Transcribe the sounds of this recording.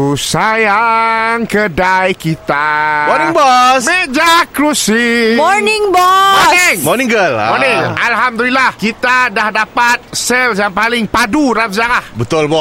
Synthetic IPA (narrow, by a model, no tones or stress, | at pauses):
usajaŋkədajkit̪amɔniŋbɔsmeʔd͡ʒakɾusimɔɾnɪŋbɔɔnɪŋmɔnĩŋɡəlɔnɪ̃ŋalɦamd̪ulilahkit̪adahdapat̪̚sɛljaŋpalɪŋpaduɾamzaŋlahbət̪ʊlbɔ